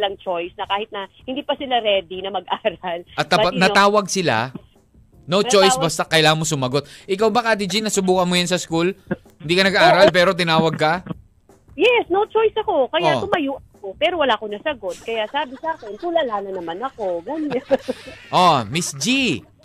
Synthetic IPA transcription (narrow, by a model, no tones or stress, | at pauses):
lɐŋt͡ʃojsnɐkaːhɪt̪̚nɐhɪnd̪iːpɐsɪlaɾɛːd̪ɪnɐmɐɡʔaːɾɐlʔɐt̪̚ːɐbnɐt̪aːwɐɡ̚sɪla̰ | not͡ʃo̞jsbast̪akɐjlaːŋɐnmosʊmɐɡo̞t̪̚ʔɪkawbɐkaːt̪id͡ʒinɐsʊbuːkɐnmojansɐskul | hɪnd̪iːkɐnɐɡʔaːɾɐlpɛːɾo̞t̪̬ɪnaːwɐɡ̚kɐ | jɛsnowt͡ʃojsɐko̞kɐjaʊmɐjuːʔɐkopɛːɾowɐlaʔkonɐsɐɡo̞t̪̚kɐjaʔsaːbɪsaːkɪnt̪ulalaːnɐnɐmanɐko̞ɡɐɲɲaʔomɪsd͡ʒi